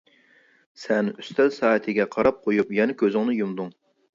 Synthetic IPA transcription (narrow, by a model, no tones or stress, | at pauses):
sɛnyst̪ʰɛzsɑːɛt̪ʰɪɡʲɛqʰɑɾɑp̚qʰojupjɛnɛkʲʰøzɪŋnɨjumd̪uŋ